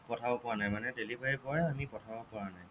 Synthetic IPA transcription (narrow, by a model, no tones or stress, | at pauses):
pɹɔtʰabɔpɔanajmanɛdelibʱaɹikɔjamipɔtʰabɔpɔɹanaj